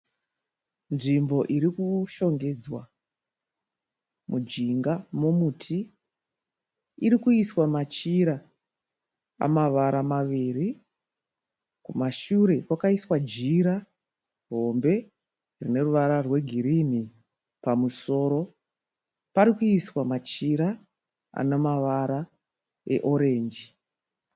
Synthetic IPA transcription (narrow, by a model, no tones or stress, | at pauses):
nʐimbo̞ʔiɾikuʃo̞ŋɡe̞d͡zwa | mud͡ʒiŋɡamomutʰi | ɾikuiswamat͡ʃiɾa | a̰maʋaɾamaʋiːri | kumaʃuɾe̞kwakaiswad͡ʒiɾa | ɦo̞mbe̞ | rine̞ruʋaɾarwe̞ɡʱiɾini | pamuso̞ːɾo̞ | paɾikuiswamat͡ʃiɾa | a̰nemaʋaɾa | e̞̰ʔo̞ɾe̞ːnd͡ʒi